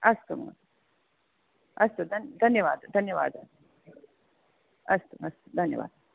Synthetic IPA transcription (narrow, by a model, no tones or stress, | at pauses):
ɐst̪umɐ̰t | ɐst̪ud̪ʱɐnd̪ʱɐnjəʋaːd̪d̪ʱɐnjəʋa̰ːd̪as | ɐst̪uɐst̪ud̪ʱɐnjə̰ʋa̰ːd̪̚